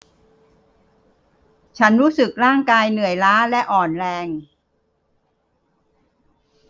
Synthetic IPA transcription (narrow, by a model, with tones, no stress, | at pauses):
t͡ɕʰa˦˥nɾuː˦˥sɯ˨˩k̚ɾaː˥˩ŋkaː˧jnɯ˨˩əjlaː˦˥lɛ˦˥ʔɔː˨˩nɾɛː˧ŋ